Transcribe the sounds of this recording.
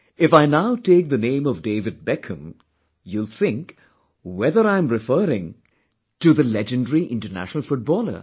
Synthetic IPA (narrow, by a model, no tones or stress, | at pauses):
ɪfaɪnaʊteːk̚ðɨnẽɪ̃mʌvdeɪvɨd̚bɛkʰə̃m | julˠθɪ̃ŋk | wɛðəɾãɪ̃mɹɨfɜːɾɪ̃ŋ | tɨðəlɛd͡ʒɨ̃nɖəɹiʔɪ̃ntənæ̰ʃnəl̩ˠfʊʈ̚bɔːlə̰˞